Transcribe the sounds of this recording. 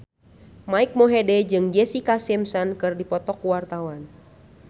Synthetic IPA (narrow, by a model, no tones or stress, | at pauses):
maik̚mɔɦɛdɛd͡ʒɨŋd͡ʒɛsikasɛmsɔnkɨrdipɔt̪ɔkuwart̪awan